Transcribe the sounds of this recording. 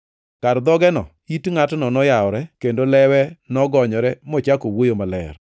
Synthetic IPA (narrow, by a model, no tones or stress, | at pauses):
kaɾd̪ɔɡɛnɔ̰ | itŋatnɔnɔjaɔɾɛkendolɛwɛnɔɡɔɲɔɾɛmɔt͡ʃakowojomalɛ̰r